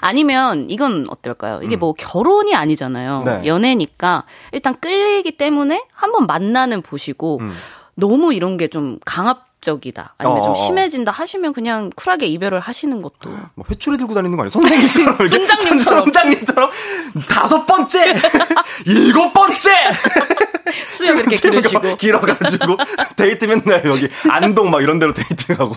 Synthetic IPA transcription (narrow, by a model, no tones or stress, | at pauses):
a̰ɲimjʌniɡʌnʌ̰t͈ʌɭk͈a̰jo̰ʔḭɡe̞mwʌkjʌɾoɲiaɲid͡ʑana̰jon̰jʌne̞ɲik͈aiɭt͈ank͈ɯʎːiɡit͈e̞mune̞hambʌnmanːanɯnpoɕʰiɡo | nʌmuiɾʌnɡe̞t͡ɕomkaŋɦap̚t͡ɕ͈ʌɡida̰ːɲijt͡ɕomɕʰime̞d͡ʑindahaɕʰimjʌnkɯɲaŋkʰuɾaɡe̞ibjʌɾɯɭhaɕʰinɯnɡʌt͈̚o̰mʌ̰ɸe̞t͡ɕʰuɾidɯɭɡudaɾinɯŋɡʌa̰ɲjʌsʰʌnsʰaŋɲint͡ɕʰʌɾʌmiɾkʰend͡ʑaŋɲʰnd͡ʑaŋɲint͡ɕʰʌɾʌmtasʰʌp͈ʌnt͡ɕ͈e̞ | iɡʌp͈ʌnt͡ɕ͈e̞ | sʰujʌiɾʌkʰeɾɡikiɾʌɡad͡ʑiɡoteitʰɯmjʌnːajʌɡia̰ndoŋmaɡiɾʌnde̞ɾote̞itʰɯŋaɡo